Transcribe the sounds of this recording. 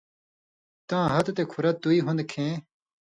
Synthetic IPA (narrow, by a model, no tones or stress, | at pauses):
t̪ãːɦɐt̪t̪ekʰuɾɐt̪uiːɦũnd̪kʰẽː